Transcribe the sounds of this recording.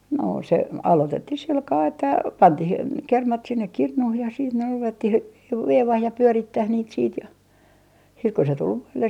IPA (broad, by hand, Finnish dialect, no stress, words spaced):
no se ɑlotetːih silkɑː etːæ pɑntih kermɑt sinːek kirnuh jɑ siːt ne ruʋetːih ʋe ʋeiʋɑːh jɑ pyøritːæh niːt siːt jɑ siːt ku se tul ʋoilːes